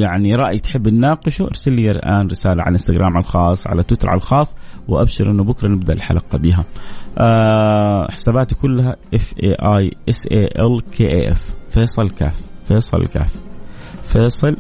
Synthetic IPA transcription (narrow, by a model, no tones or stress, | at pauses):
jaʕniɾˤɑʔjt̪ħɪbːnnaːqɪʃuʔɑɾsalːijalʔaːnɾɪsaːlaʕa̰lʔɪnst̪aɡɾʔaːmʕa̰lxɑːsˤʕa̰lat̪wɪt̪ːɑɾˤʕa̰llxɑːsˤː | wɪʔa̰bʃɪɾʔɪnːubʊkɾˤɑnɪb̚d̪aʔɪlħa̰lɑqɑbiːɦaʔa | ħɪ̥saːbaːt̪ikʊlːaɦaʔɪfʔeːʔajʔɪsʔeːʔɛlkʰeːʔeːʔɛ̰fːeːsˤɨlka̰ːfːeːsˤɨ̰l̰lka̰ːf | feːsˤɨl